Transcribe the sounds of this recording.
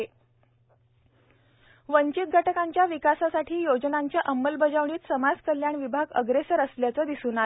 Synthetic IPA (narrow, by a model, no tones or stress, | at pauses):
e | ʋəɲt͡ɕit̪̚ɡʱaʈəkaɲt͡ɕjaʋikasasaʈʰiːjod͡znaɲt͡ɕjaʔəmːəlbəd͡zaʋɳiːt̪səmad͡zkəljaɳʋibʱaɡə̰ɡɾesəɾəsljat͡səːd̪isuːna